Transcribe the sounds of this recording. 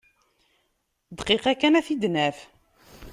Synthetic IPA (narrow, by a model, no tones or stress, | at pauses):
d̪qiqækænæθid̪næf